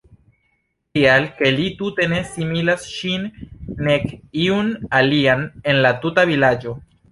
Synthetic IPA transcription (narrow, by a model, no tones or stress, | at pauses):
tialke̞litute̞ne̞similasʃinːe̞kiunaliane̞nlatutavilad͡ʒo̞